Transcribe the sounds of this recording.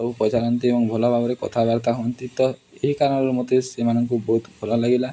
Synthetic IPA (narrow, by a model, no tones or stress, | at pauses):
ɔupɾɔt͡ʃaɾɔnt̪iebɔŋbʱɔlɔbʱabɔɾekɔt̪ʰabaɾt̪aɦɔnt̪it̪ɔ | eɦikaɾɔnɔɾmot̪esemanɔŋkubɔɦut̪bbʱɔlɔlaɡila